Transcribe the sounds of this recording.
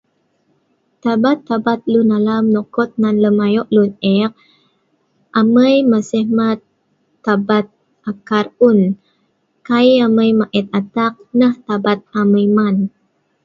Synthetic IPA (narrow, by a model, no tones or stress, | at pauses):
t̪abat̪ːabat̪̚lunalamnɔkɔt̪̚nanləmajɔʔlunɛk̚ | ʔaməjməsəhmat̪ː | abat̪̚ | ʔakarun | kajaməjmaʔɛt̪̚at̪ak̚nəht̪abat̪̚aməjman